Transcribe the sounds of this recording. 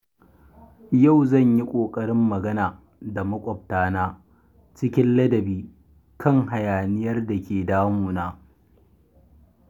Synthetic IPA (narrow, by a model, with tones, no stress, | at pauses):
ja˦˨wzɐ˦˨ɲji˦kʷʼoː˨kʼɐ˦ɽɪ˦mːɐ˨ɡɐ˦naː˨ | da˨mɐ˦kʷʼɔ˨p̚taː˦naː˦ | t͡ʃɪ˦kʲɪ˦nlɐ˦dɐ˨biː˦ | kʰɐ˦˨ŋɦa˨jaː˨nɪ˦jɐ˦rda˨kʲeː˨daː˦muː˨naː˦